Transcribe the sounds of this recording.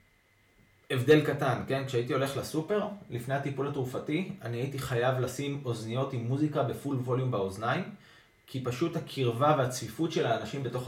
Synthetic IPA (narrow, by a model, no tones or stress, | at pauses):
e̞vde̞lkatanke̞nkʃeaitio̞le̞χlasupe̞ʁlifne̞hat̪ipulhatʁufatianiaitiχajavlasimo̞znijo̞timːuzikabe̞fulvo̞ljumbaoznaj | kʰipaʃuthakʰiʁvaveat͡svifutʃe̞laːnaʃimbe̞to̞χ